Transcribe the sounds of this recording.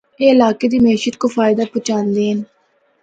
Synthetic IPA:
eɪlaːked̪iːmɛːʃət̪kofaːɪd̪apʊt͡ʃãːnd̪eːɦən

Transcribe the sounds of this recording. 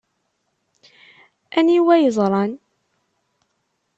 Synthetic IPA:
ʔæniwæjəzˤɾˤɑn

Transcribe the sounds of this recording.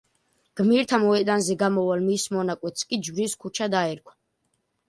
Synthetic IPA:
ɡ̥miɾt̪ʰamɔɛd̪anzɛɡamɔwalmismɔnakʼwɛt̪skʼid͡ʒbɾiskʰut͡ʃʰad̪aɛɾkʰwḁ

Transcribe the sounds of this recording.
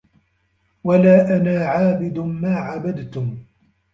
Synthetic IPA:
walaːʔanaːʕaːbɪd̪ʊmaːʕabad̪t̪ʊm

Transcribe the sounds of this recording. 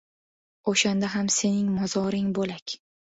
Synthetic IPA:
oʃand̪aɦamse̞nɪŋmɒzɒɾɪŋbolakʲ

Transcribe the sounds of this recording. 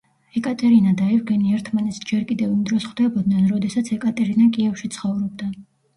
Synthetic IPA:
ɛkʼat̪ʼɛɾinad̪aɛvɡɛniɛɾt̪ʰmanɛt̪sd͡ʒɛɾkʼid̪ɛvimd̪ɾɔsχd̪ɛbɔd̪̚nɛnɾɔd̪ɛsat̪sʰɛkʼat̪ʼɛɾinakʼiɛfʃit̪sʰχɔvɾɔbd̪a

